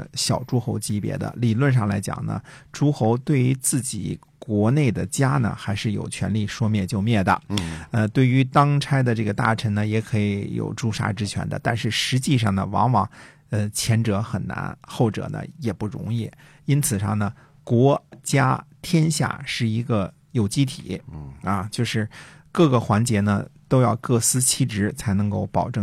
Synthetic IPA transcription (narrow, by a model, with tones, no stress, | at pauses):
ɕjɑ˨˩ʊʈ͡ʂu˥xo˧˥ʊt͡ɕi˥pjɛ̰˧˥d̪ə̰˧li˨˩lwə˥˧nʂ̬ɑ˥˩ŋla˧˥ɪt͡ɕjɑ̰˨˩ŋnə̰˦ʈ͡ʂu˥xo˧˥ʊt̪we˥˩ɪy˧˥t͡sɹ̩˥˩t͡ɕḭ˨˩ | kwɔ˧˥ne˥˩ɪd̪ə˩t͡ɕja˥nə̰˨˩xa˧˥ɪʂɻ̩˥˩jo˨˩ʊt͡ɕʰɥɛ̰˧˥nli˥˩ʂwɔ˥mjɛ˥˧t͡ɕjo˥˧ʊmjɛ˥˩d̪ə̰˩ə˧t̪we˥˩ɪy˧˥t̪ɑ˥ŋʈ͡ʂʰa˥ɪd̪ə˨ʈ͡ʂɤ˥˩ɡə˩t̪a̰˥˩ʈ͡ʂʰə˧˥ŋnə˧jɛ˧˥kʰɤ˧˥i˧˥jo̰˨˩ʊʈ͡ʂu˥ʂa̰˥ʈ͡ʂɻ̩˥t͡ɕʰɥɛ̰˧˥nd̪ə̰˧t̪a˥˧nʂɻ̩˥˩ʂɻ̩˧˥t͡ɕi˥˧ʂɑ˥˩ŋnə˩wɑ̰˧˥ŋwɑ˨˩˦ŋ | ə˧t͡ɕʰjɛ˧˥nʈ͡ʂɤ˧˥xə˨˩nna̰˧˥nxo˥˩ʊʈ͡ʂɤ̰˨˩nə̰˦jɛ˨˩pu˥˩ɻʊ̰˧˥ŋi˥˩ | i˥nt͡sʰɹ̩˨˩ʂɑ̰˥˩ŋnə˩ | kwɔ˧˥t͡ɕja˥t̪ʰjɛ˥nɕja̰˥˩ʂɻ̩˥˩i˧˥ɡə˧ | jo˨˩ʊt͡ɕi˥t̪ʰḭ˨˩˦ɐ˧t͡ɕjo˥˧ʊʂɻ̩˥˧kɤ˥˩ɡə˩xwa˧˥nt͡ɕjɛ˧˥nə̰˧t̪o˥ʊjɑ˥˧ʊkɤ˥˩sɹ̩˥t͡ɕʰi˥˩ʈ͡ʂɻ̩˧˥t͡sʰa˧˥ɪnɤ˧˥ŋko˥˩ʊpɑ˨˩ʊʈ͡ʂɤ˥˩